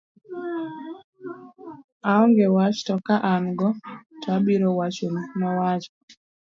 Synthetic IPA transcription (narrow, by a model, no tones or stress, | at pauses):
aɔŋɡewat͡ʃtɔkaʔanɡɔtʰabiɾɔwat͡ʃonnɔwat͡ʃɔ